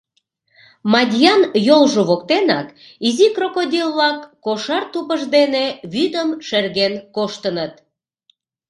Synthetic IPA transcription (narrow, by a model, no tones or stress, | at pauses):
mɑdʲjɑnjolʒoβokt̪enɑk | izikrokodʲillɑkːoʃɑrt̪upəʒd̪eneβyd̪əmʃerɣenkoʃt̪ənət̪